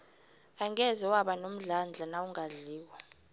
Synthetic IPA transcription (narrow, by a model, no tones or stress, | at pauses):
aŋɛzɛwaɓanom̩ɮand͡ɮʱanawuŋaɮiːwa